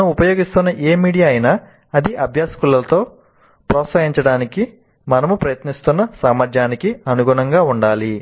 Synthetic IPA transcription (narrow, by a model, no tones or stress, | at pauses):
ɐnɐupɐjo̞ːɡist̪unːɐʔeːmiːɽijaːjinaː | ɐd̪iʔɐbʱjaːsɐ̥kulːɐlɐt̪o̞ː | pɾɔːt̪sɐɦiɲt͡ʃɐɽaːniki | mɐnɐmupɾɐjɐt̪nist̪unːɐsaːmɐɾd͡ʒjaːnikiɐnuɡuːɳɐŋɡaːuɳɖaːli